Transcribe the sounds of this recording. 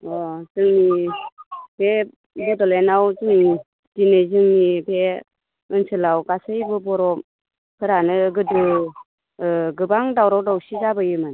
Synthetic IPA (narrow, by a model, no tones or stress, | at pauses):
ɔzɯŋni | be | bɯdɔlenawzɯŋni | d̥inɯzɯŋnibe | ɯnsʰɯlawɡasɯjbɯbɔɾɔ | kʰɯɾanɯɡɯdɯ | ɯɡɯbaŋdawɾɔwdawsizabɯjɯmɯn